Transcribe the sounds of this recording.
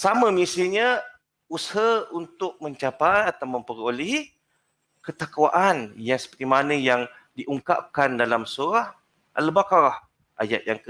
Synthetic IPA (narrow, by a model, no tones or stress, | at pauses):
samə̃misiɲə̃ | usɦaunt̪ʊk̚məɲt͡ʃapajat̪awməmpəɾoleɦi | kət̪akuwa̰ʔanjaŋsə̥pərt̪imanə̃jaŋ | diʔuŋka̰p̚kandalamsuɾah | ʔa̰ləbakaɾah | ʔa̰ja̰t̪̚jaŋk